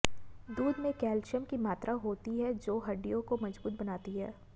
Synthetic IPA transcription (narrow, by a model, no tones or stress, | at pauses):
d̪uːd̪mẽkɛːlʃəmkimaːt̪ɾaɦoːt̪iɦɛd͡ʒoːɦɐɖijõkomɐd͡ʒbuːt̪̚bɐnaːt̪iɦɛ̰ː